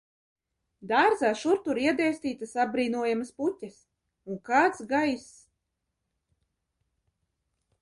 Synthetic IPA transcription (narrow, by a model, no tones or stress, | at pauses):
d̪aːɾzaːʃuɾt̪uɾiɛd̪ɛjsʲt̪iːt̪asabɾiːnuɔjamasputʲas | uŋkaːt̪sɡajs